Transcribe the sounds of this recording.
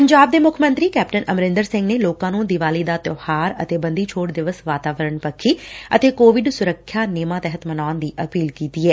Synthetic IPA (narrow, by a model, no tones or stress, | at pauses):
pəɲd͡ʒaːb̚d̪eːmʊkʰmə̃nt̪ɾiːkɛːp̚ʈənəmɾɪ̃nd̪əɾsɪ̃ŋɡneːloːkãːnũːd̪ɪʋaːliːd̪aːt̪joːhaːɾə̰t̪eːbənd̪iːt͡ʃʰoːʈd̪ɪʋəsʋaːt̪aːʋəɾəɳpəkʰːiːə̰t̪eːkoːʋɪɖsʊɾəkʰːjaːneːmãːt̪ɛɦət̪mənaːnd̪iːʔəpiːlkiːt̪iːɛː